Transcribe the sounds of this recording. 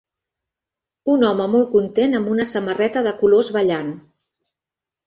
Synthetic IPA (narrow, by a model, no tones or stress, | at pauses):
unɔməmɔlˠkunt̪enəmbunəsəmərɛt̪əðəkulozβəʎan